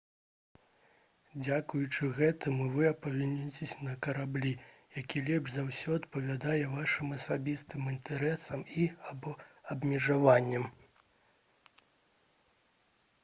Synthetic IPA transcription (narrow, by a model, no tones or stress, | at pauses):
d͡zʲakujut͡ʂɨɣɛt̪ɨmɨvɨɐpɐvʲinʲːit͡sʲesʲɐnɐkɐɾablʲijakʲilʲɛbʐzawsʲɔɐt̪pɐvʲad̪ajɛvaʂɨmɐsabʲist̪ɨmint̪ʰɛɾɛsɐmibɐbmʲɛʐavanʲːɐm